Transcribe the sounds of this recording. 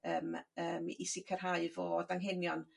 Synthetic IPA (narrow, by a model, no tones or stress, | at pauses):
əːməːmisɪkʰər̥ɦaɨvɔdaŋɦenjɔn